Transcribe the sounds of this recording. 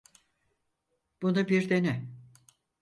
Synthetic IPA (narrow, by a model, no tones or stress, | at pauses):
b̥unubiɾd̪enɛ